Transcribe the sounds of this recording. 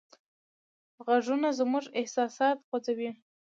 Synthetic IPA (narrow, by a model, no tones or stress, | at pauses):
ɣaʐunazmuʐɪhsɑsɑt̪xod͡zawi